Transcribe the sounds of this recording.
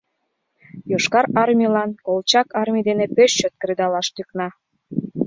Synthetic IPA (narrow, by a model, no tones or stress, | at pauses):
joʃkɑɾɑrmʲilɑnkolˠt͡ɕɑkɑrmʲid̪enepøʃːøt̪̚kəɾed̪ɑlɑʃt̪yknɑ